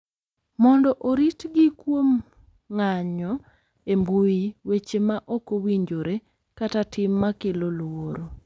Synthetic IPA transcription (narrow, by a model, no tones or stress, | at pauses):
mɔndɔʔoɾitɡɪkwom | ŋaɲɔ | embujiwet͡ʃemaʔokowiɲd͡ʒoɾe | katatʰɪmːakelolwoɾo